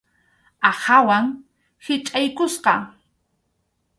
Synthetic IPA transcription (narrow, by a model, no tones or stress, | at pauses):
ahawaŋ | hɪt͡ʃʼajkʊsqɑ